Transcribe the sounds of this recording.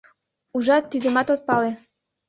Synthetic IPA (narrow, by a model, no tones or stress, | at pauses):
uʒɑt̪ːid̪emɑt̪ot̪̚pɑle